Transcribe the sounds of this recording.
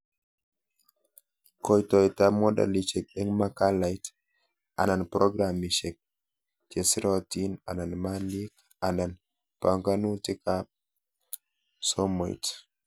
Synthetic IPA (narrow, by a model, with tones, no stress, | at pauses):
kɔ˨jtɔ˨jta˦mɔ˦da̰˨lit͡ʃɛ˨k̚ɛ˦ŋma˦ka˦la˨jt | a̰˨na˨npɾɔ˦ɡɾamit͡ʃɛ˨k̚ | t͡ʃe˨si˦ɾɔtina̰˨na˨nma˦li˦k | a˨na˨n | pa˨ŋka˦nu˦ti˦ka | sɔ˦mɔ̰˨j̰t